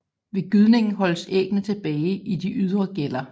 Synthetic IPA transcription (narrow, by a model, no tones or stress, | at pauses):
ʋe̝ɡ̥yð̞ˠne̝ŋn̩ɦɒ̽l̰seɡ̥nət͡sʰe̝b̥ɛːɪʔid̥iʔyð̞ˠʁɐɡ̥elɐ